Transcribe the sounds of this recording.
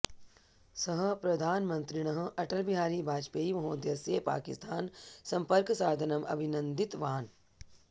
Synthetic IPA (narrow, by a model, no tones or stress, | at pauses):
sɐɦəpɾɐd̪ʱaːnmə̃nt̪ɾiñɐɦə̆ʔɐʈəlbiɦaːɾiːbʱaːd͡ʒpeːimɐɦoːd̪jɐsjepa̰ːkɪ̰st̪ʰaːnsɐ̃mpəɾksaːd̪ʱənɐmɐ̰bʱɪnɐ̃nd̪ɪt̪ʋaːn